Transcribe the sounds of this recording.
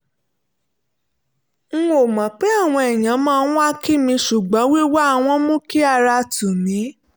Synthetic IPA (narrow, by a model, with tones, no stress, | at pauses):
ŋ̩˦o˨mã˨k͡pe˨˦a˦˨w̃ɔ̃˧ɛ˨j̃ã˨˦mãː˦˧˦a˦ki˦mĩ˧ʃu˨ɡ͡bɔ̃˨˦wi˦wa˦˧w̃ɔ̃˧mõ˦ki˦a˧ɾa˧tu˨mĩ˨˦